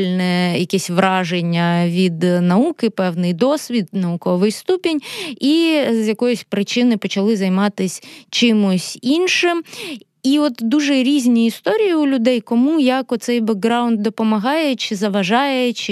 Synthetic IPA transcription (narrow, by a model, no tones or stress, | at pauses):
lʲnɛjɐkɛsʲʋɾʔɑʒenʲːɐʋʲid̪nɐukɪpɛwnɪjd̪ɔsʲʋʲid̪̚nɐʊkɔʋɪjst̪upʲinʲizjɐkɔjʊsʲpɾɪt͡ʃɪnɪpɔt͡ʃɐlˠɪzɐjmɑt̪ɪsʲt͡ʃɪmʊsʲinʃɪm | iɔt̪d̪uʒɛɾʲizʲnʲiist̪ɔɾʲijiʊlʲʊd̪ɛjkɔmujɐkɔt̪t̪sɛjbɐɡɡɾɑwnd̪̚d̪ɔpɔmɐɦɑjɛt͡ʃɪzɐʋɐʒɑjɛt͡ʃɪ